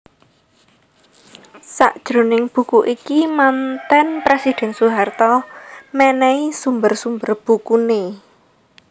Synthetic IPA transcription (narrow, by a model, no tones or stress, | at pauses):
sa̰ʔd̥ʒ̥ɾo̤nɪŋb̥ṳkuʔikimant̪ɛnpɾesid̪̥ɛ̤nsuɦart̪ɔmɛnɛisumbərsumbərb̥ukune